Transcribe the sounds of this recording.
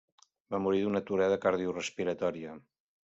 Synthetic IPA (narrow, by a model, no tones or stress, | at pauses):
bamuɾiðunət̪uɾɛðəkaɾðiurəspiɾət̪ɔɾiə